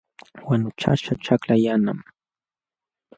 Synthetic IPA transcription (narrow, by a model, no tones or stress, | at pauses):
wanʊt͡ʃa̰ʃaʈ͡ʂaklajanam